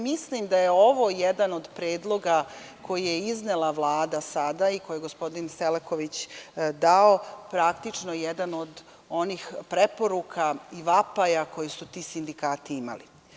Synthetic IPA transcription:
mislimd̪ajeo̞ʋo̞jed̪ano̞d̪pɾeːd̪lˠo̞ɡa | kʰo̞jijeiznelˠaʋlˠaːd̪asad̪aikojeɡospo̞d̪inseleko̞ʋit͡ɕd̪aopɾakt̪it͡ʂnojed̪ano̞d̪ | o̞niːxpɾepo̞ɾukʰaiʋapajako̞jesut̪iːsind̪ikaːt̪iima̰lḭ

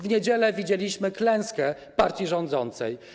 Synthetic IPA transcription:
vɲed͡ʑɛlɛvʲid͡ʑelʲiɕmɘklɛ̃w̃skɛ | paɾt̪ʲiʐɔnd̪zɔnt̪sɛ̰j

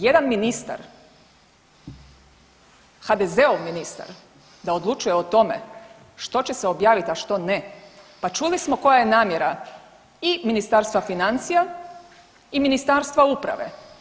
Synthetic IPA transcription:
je̞d̪anminist̪a̰ɾ | xad̪ezeoʋminist̪a̰ɾ | d̪aod̪lˠut͡ʃuje̞ot̪o̞me̞̰ | ʃt̪o̞t͡ɕe̞seo̞bjaːʋit̪aʃt̪o̞ne | pat͡ʃulismo̞ko̞jajenaːmje̞ɾa | iminist̪aɾst̪ʋafinant̪sija | iminist̪aːɾst̪ʋaupɾa̰ʋe̞̰

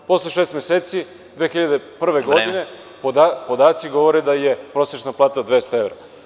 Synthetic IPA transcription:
po̞slˠeʃest̪mʲeseːt̪si | d̪ʋeːxiʎad̪epr̩ʋeɡo̞d̪ine̞ | poapo̞d̪aːt̪siɡo̞ʋo̞ɾed̪aje̞pɾo̞set͡ʃnaplˠaːt̪ad̪ʋe̞st̪aeʋɾa̰

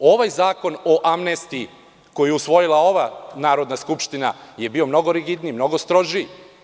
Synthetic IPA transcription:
o̞ʋajzaːko̞no̞ʔamnest̪iː | ko̞jijeusʋo̞jilao̞ʋanaːɾo̞d̪naskupʃt̪ina̰je̞biːo̞mno̞ɡoɾiɡid̪nimno̞ɡost̪ɾo̞ʒi

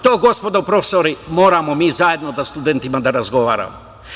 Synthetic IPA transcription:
t̪oɡospɔd̪opɾɔfsɔɾimoːɾamɔmizaɛd̪nod̪ast̪ud̪ɛnt̪imad̪aɾazɡoʋa̰ɾa̰mɔ

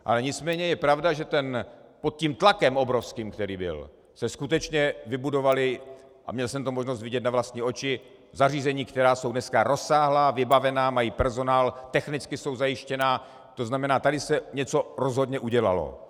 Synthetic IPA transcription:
ʔa̰lɛɲɪt͡smɛːɲɛjɛpɾavdaʒɛt̪ɛnpot̪̚ciːmt̪lakɛmʔo̞bɾo̞fskiːmkt̪ɛɾiːbɪ̰l | sɛskut̪ɛt͡ʃɲɛvɪbudo̞valɪ | ʔa̰mɲɛlsɛmt̪omoʒno̞s̬t̪vɪɟɛt̪̬̚navlast̪ɲiːʔo̞t͡ʃɪ | zariːzɛɲiːkt̪ɛɾaːso̞wdnɛskaɾʔo̞sːaːɦlaːvɪbavɛnaːmajiːpɛɾzo̞naːlt̪ɛxnɪt͡skɪso̞wzajɪʃcɛnaː | t̪o̞znamɛnaːt̪adɪsɛɲɛt͡so̞ɾo̞zɦodɲɛʔuɟɛla̰lo̰

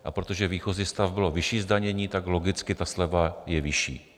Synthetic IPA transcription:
ʔa̰pɾot̪oʒɛviːxo̞ziːst̪avbɪlo̞vɪʃiːzdaɲɛɲiːt̪aɡlo̞ɡɪt͡skɪt̪aslɛvajɛvɪʃḭː

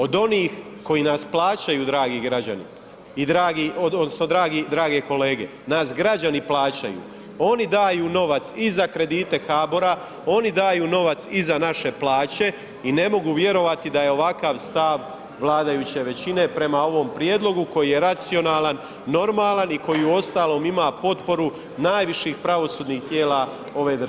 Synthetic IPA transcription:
o̞d̪o̞niːx | ko̞jiːnasplˠaːt͡ɕajuːd̪ɾaːɡiɡɾad͡ʑa̰nḭ | id̪ɾaːɡiod̪od̪nosno̞d̪ɾaːɡid̪ɾaːɡe̞ko̞le̞ːɡe̞̰ | naːsɡɾad͡ʑaniplaːt͡ɕa̰jṵː | o̞nid̪aːjuːno̞ʋat̪sizakɾe̞d̪iːt̪e̞xaːboɾa | o̞nid̪aːjuːno̞ʋat̪sizanaʃe̞plˠaːt͡ɕe̞ | ine̞mo̞ɡuʋje̞ɾo̞ʋat̪id̪aje̞o̞ʋakaʋst̪aʋ | ʋlˠaːd̪ajut͡ɕe̞ʋe̞t͡ɕine̞pɾe̞mao̞ʋo̞mpɾje̞ːd̪lo̞ɡuko̞jije̞ɾat̪sio̞naːlanː | o̞ɾmaːlaniko̞jiuo̞st̪aːlo̞ːmimaːpo̞t̪po̞ɾu | naːjʋiʃiːxpɾaʋo̞suːd̪niːxt̪jeːla | o̞ʋe̞d̪

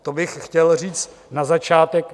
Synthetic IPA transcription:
t̪obɪxxcɛlr̝iːt͡st̪ | nazat͡ʃaːt̪ɛk

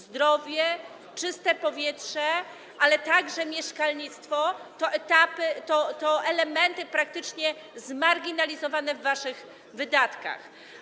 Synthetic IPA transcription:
zd̪ɾɔvʲjɛ | t͡ʂɘst̪ɛpɔvʲjɛtʂɛ | ʔalɛt̪aɡʐɛmʲjɛʂkalɲit̪st̪fɔt̪ɔʔɛt̪apɘt̪ɔt̪ɔʔɛlɛmɛnt̪ɘpɾak̚t̪ɘt͡ʂɲɛ | zmaɾɡʲinalʲizɔvanɛvːaʂɘɣ | vɘd̪at̪ka̰x

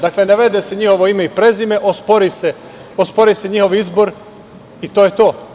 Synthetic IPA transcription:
d̪akle̞neʋe̞d̪eseɲiho̞ʋo̞imeipɾe̞zime̞ʔospoɾise | ospo̞ɾise̞ɲixo̞ʋizbo̞ɾ | it̪oːjet̪oː

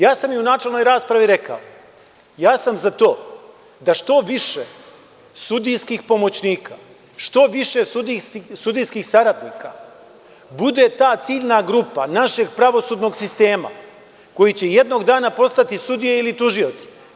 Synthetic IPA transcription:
jaːsamjeunaːt͡ʃelno̞jɾaːspɾaʋiɾe̞ka̰o | jaːsamzat̪o̞ː | d̪aʃt̪o̞ʋiʃe | sud̪ijskixpo̞mo̞t͡ɕniːka̰ | ʃt̪o̞ʋiʃe̞sud̪isud̪ijskixsaɾad̪niːka | bud̪e̞t̪aːt̪siːʎnaɡɾupa̰naʃe̞ɡpɾaʋo̞sud̪no̞ɡsist̪e̞ːma̰ | ko̞jit͡ɕeje̞d̪no̞ɡd̪aːnapo̞st̪at̪isud̪ijeilit̪uʒio̞t̪si̥

